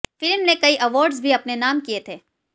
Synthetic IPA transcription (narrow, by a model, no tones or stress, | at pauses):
fɪlmnekɐiʔɐʋɔːɾɖzbʱiɐpnenaːmkiet̪ʰeː